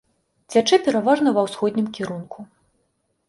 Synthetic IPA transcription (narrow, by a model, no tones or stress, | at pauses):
t͡sʲat͡ʂɨpʲɛɾavaʐnɐvɐwsxɔd̪ʲnʲimkʲiɾunkʰu